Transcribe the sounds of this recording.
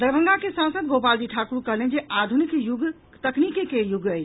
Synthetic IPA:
d̪əɾbʱə̃ŋɡakesãnsəd̪̚ɡopald͡ʒiʈʰakuɾukəɦlend͡ʒeʔad̪ʱunikjuɡ | t̪əknikekejuɡəjt͡ʃʰ

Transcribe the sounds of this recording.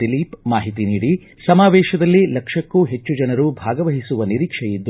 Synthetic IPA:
iliːpmaːɦit̪iniːɽi | sɐmaːʋɛːʃɐd̪ɐlːilɐkʂɐkːuɦe̞t͡ʃːud͡ʒɐnɐɾubʱaːɡɐʋɐɦisuʋɐniɾiːkʂɛjid̪ː

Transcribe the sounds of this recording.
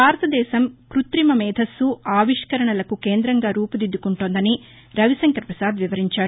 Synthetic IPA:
baːɾɐt̪ɐd̪ɛːsɐmkɾut̪ɾimɐmɛːd̪ʱɐsːuaːʋiʂkɐɾɐɳɐlɐkukeːnd̪ɾɐŋɡaːɾuːpud̪id̪ːukuɳʈoːnd̪ɐni | ɾɐʋisɐŋkɐɾpɾɐsaːd̪ʋiʋɐɾiɲt͡ʃaːɾu

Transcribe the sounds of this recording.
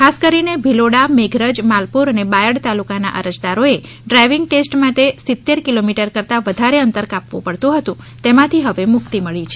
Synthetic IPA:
kʰaskəɾinebʱiloɽameɡʱɾəd͡ʒmalpuɾənebajəɽt̪alukana̰ʔə̰ɾəd͡ʒd̪aɾoe | ɖɾajʋɪŋɡ̚ʈesʈmaʈesɪt̪ːeɾkilomiʈəɾkəɾt̪aʋəd̪ʱaɾeənt̪əɾkapʋṵ̃pəɽt̪ũɦət̪ũ | t̪emãt̪ʰiɦəʋemʊkt̪iməɭit͡ʃʰe

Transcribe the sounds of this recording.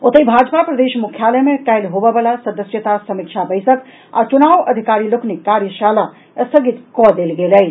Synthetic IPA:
ot̪əibʱad͡ʒpapɾəd̪eʃmukʰjalɛmekajlɦobəbəlasəd̪əsjət̪asəmikt͡ʃʰabəɪsək | a̰t͡ʃunaʋəd̪ʱikaɾiloknikːaɾjəʃala | səɡit̪kɔd̪elɡeləj

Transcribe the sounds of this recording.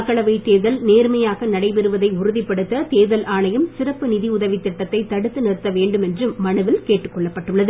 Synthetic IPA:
kːɐɭɐʋɐɪt̪ːeːðɐlneːɾmɐjaːɣɐnɐɽɐɪpɛɾɯʋɐðɐɪʊɾʊðɪpːɐɽɯt̪ːɐt̪eːðɐlʔaːɳɐjɯmsɪrɐpːɯnɪðiʊðɐʋɪt̪ːɪʈːɐt̪ːɐɪt̪ːɐɽɯt̪ːɯnɪɾɯt̪ːɐʋeːɳɖɯmɛndrɯmːɐɳɯʋɪlkeːʈːɯkːɔɭːɐpːɐʈːɯɭːɐðɯ

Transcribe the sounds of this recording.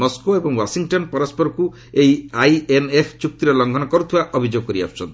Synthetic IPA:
mɔskoebɔŋwasiŋʈɔnpɔɾɔspɔɾɔku | ejajenepʰt͡ʃuk̚t̪iɾɔlɔŋɡʱɔnɔkɔɾut̪ʰiwaʔɔbʱid͡ʒoɡɔkɔɾia̰pʰt͡ʃʰɔ̰nt̪

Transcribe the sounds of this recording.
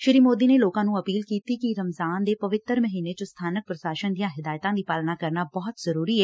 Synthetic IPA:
ʃɪɾiːmoːd̪iːneːloːkãːnũːəpiːlkiːt̪iːkiɾəmzaːnd̪eːpəʋɪt̪ːəɾməɦiːneːt͡ʃost̪ʰaːnək̚pɾəʃaːʃənd̪ijãːɦɪd̪aːjt̪ãːd̪iːpaːlnaːkəɾnaːbɔːt̪zəɾuːɾiːɛː

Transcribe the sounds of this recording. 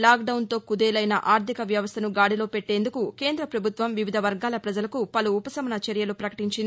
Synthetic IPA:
laːɡɖɐwnt̪o̞ːkud̪eːlɐjnɐʔaːɾt̪ʰikɐʋjɐʋɐst̪ʰɐnuɡaːɽilo̞ːpeʈːe̞ːnd̪ukuke̞ːnd̪ɾɐpɾɐbʱut̪ʋɐmʋiʋid̪ʱɐʋɐɾɡaːlɐpɾɐd͡ʒɐlɐkupɐluːpɐsɐmɐnɐt͡ʃɐɾjɐlupɾɐkɐ̥ʈiɲt͡ʃin

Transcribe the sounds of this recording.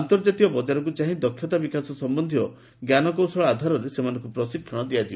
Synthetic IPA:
nt̪ɔɾd͡ʒat̪iɔbɔd͡ʒaɾɔk̬ut͡ʃaɦĩd̪ɔkʰjɔt̪abikasɔsɔmbɔnd̪ʱiɔ | ɡjanɔkɔwsɔɭad̪ʱaɾɔɾesemanɔ̃ŋkupɾɔsikʰːjɔɽ̃ɔd̪iad͡ʒi

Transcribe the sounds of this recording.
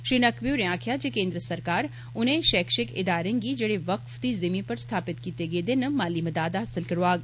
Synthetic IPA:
ʃinɐkbjuɾeãːkʰjad͡ʒekẽːnd̪ɾəsɐɾkaːɾ | ʊnɦẽʃɛːkʃɪkɪ̰d̪aːɾẽɡid͡ʒɐɽeʋɐqfd̪izɐmĩpɐɾst̪ʰaːpɪt̪kiːt̪eɡed̪ɪnmaːliməd̪aːd̪aɦɐsɪlkɐɾʋaːɡ

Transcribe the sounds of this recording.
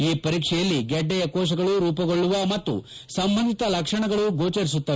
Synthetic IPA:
iːpɐɾiːkʂɛjɐlːiɡɛɖːɛjɐkɔːʃ̬ɐɡɐɭuɾuːpɐɡoɭːuʋɐmɐt̪ːṵ | sɐmbɐnd̪ʱit̪ɐlɐkʂɐɳɐɡɐɭuɡoːt͡ʃɐɾis̬ut̪ːɐ

